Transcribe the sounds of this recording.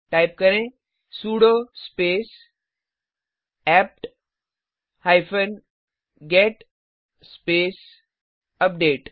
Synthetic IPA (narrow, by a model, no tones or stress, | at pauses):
ʈajp̚kəɾẽ | suːɽospeːs | ɛp̚ʈ | hajfən | ɡeʈ | speːs | əp̚ɖeːʈ